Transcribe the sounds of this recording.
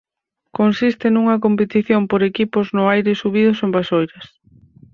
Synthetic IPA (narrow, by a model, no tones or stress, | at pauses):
konsist̪ɪnuŋɐk̬ompet̪iθjompoɾekipʊznʊajɾɪsuβiðʊsombasojɾɐs